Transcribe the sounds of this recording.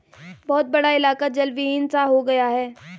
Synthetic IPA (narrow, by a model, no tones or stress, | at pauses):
bɔːt̪̚bɐɽaɪlaːkad͡ʒɐlʋiɪnsaɦoɡɐjaɦɛː